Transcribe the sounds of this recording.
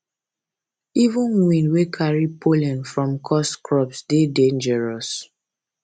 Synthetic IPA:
ivũnwĩnwekʰaɹipʰolɛ̃nfɹɔ̃mkʰɔskʰɹɔpsdedẽnd͡ʒɛɹɔs

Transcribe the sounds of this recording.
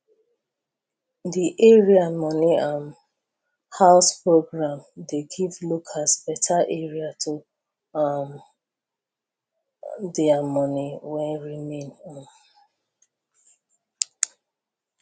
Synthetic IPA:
diʔɛɹiamɔniãm | haʊspɹoɡɹãmdeɡivlokʰasbɛtʰaʔɛɹiatʰu | am | dɛamɔniwɛ̃nɹimẽnãm

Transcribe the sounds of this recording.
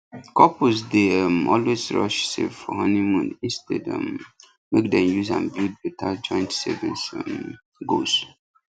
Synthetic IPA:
kɔpʰosdeəmɔlwezɹɔ̰ʃsḛvfɔɦɔnimũndĩnstɛ̰də̰m | mek̚dɛ̃mjuzã̰nbild̚betʰad͡ʒɔ̃ɪ̃ntsɛ̰vḭsm | ɡos

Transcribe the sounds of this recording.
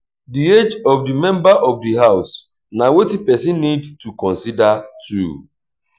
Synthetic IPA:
died͡ʒɔvdimɛ̃mbaʔɔvdiɦaʊs | nawetipɛs̬ĩnːidtukɔ̃nsidatʰṵ

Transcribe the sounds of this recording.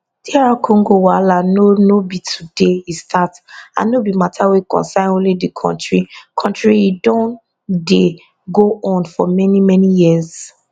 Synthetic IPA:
d̥iɹakʰɔ̃ŋɡowalanonobitʰudeistʰata̰nobimatʰawekɔ̰̃nsãɪ̃nõnlidikʰɔ̰̃ntɹikʰɔ̃ntɹiidɔ̃n | de | ɡoɔ̃nfɔ̰mɛnimɛnijiz

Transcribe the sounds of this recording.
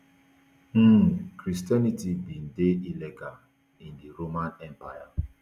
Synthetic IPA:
m̩kɾistjanitibin̩deileɡa | indiɾomanɛmpaja

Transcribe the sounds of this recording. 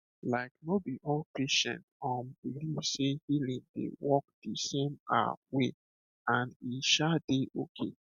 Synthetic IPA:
laɪknobiʔɔlpeʃɛ̰̃ntɔmbilisehilĩŋdḛwɔk̚d̥esẽma̰we | ãneʃadeʔokʰḛ

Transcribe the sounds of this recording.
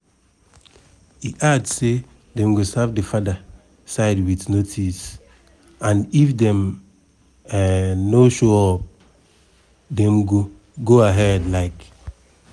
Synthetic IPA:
iʔadse | dɛ̃mɡosavdefada | saɪdwitnotʰis | ãnifdɛ̃m | noʃɔɔp̚ | dɛ̃mɡo | ɡoaɦɛdlaɪk

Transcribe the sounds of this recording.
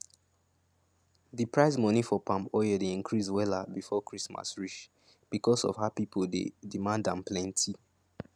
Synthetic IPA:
ðipɹaɪs̬mɔnifɔpãmpɔjədeĩnkʰɹiswɛlabifɔkɹisma̰sɹiʃ | b̥ikɔsɔ̰vhapipʰoldḛdimãndãmplɛ̃ntʰi

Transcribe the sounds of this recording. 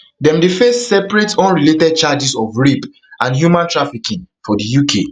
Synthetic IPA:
dɛ̃mdefesːɛpɹetɔ̃nɹiletɛd̚t͡ʃad͡ʒisɔfɹip | ãndɦjumãntɹafikĩŋfɔdijukʰe

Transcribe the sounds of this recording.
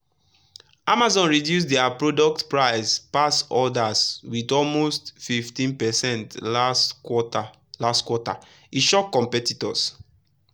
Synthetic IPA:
amazɔ̃nɹidjus̬dɛapɹodɔk̚tpɹaɪspasɔdaswitɔlmostfiftĩnpɛsɛ̃ntlata | lastkwɔta̰ | iʃɔkːɔ̃mpɛtitɔ̰s

